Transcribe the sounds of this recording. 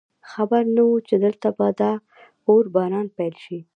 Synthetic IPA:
xabaɾnawut͡ʃed̪əlt̪abad̪a | oɾbɑnɑnpɛjlʃi

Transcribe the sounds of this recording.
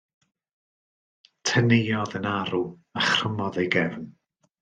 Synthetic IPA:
tʰənejɔðənaɾuaχrəmɔðejɡɛvn

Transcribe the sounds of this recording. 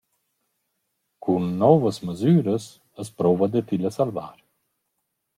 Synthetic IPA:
kʰunːɔvəsməzyːɾəs | əspɾɔvad̪ət̪iləsalva̰ɾ

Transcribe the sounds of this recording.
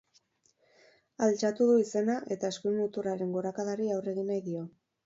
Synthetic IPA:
alt͡ʃat̪uðuise̞naʔe̞t̪ae̞skumut̪uraɾe̞ŋɡo̞ɾakaðaɾiawre̞ɣinajðio

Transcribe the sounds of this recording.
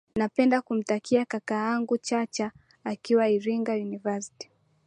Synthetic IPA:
napɛndakum̩takʰiakakaːaŋɡut͡ʃat͡ʃaː | kiwaiɾiŋɡajunivasi̥ti̥

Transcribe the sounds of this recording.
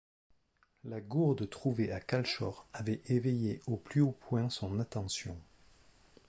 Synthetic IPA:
laɡuʁd̪ət̪χuveʔakalʃɔʁavɛevɛjeoplyopwɛ̃sɔ̃nat̪ɑ̃sjɔ̃

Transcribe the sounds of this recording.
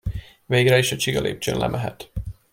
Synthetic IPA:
veːɡrɛiʃɒt͡ʃiɡɒlʔḛːp̚t͡ʃø̰ːnlɛ̰mʔɛɦɛ̰t̪

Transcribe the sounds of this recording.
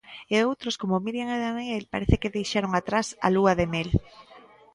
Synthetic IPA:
eowt̪ɾoskomomiɾjaŋeðanielpaɾeθekeðejʃaɾoŋat̪ɾasa̰luaðemel

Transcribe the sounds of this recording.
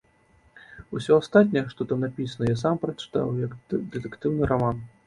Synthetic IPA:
usʲɔast̪at̪̚ʲnʲɐjɛʂt̪ɔt̪amnapʲisɐnɐjas̬ampɾɐt͡ʂɨ̥t̪a̰wjakd̪ɛt̪ɛkt̪ɨwnɨɾaman

